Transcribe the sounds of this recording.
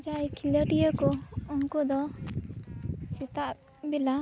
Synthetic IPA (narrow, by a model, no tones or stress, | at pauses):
d͡ʒajkʰiləɾijəkɔɔŋkɔd̪ɔ | sit̪aʔ | bila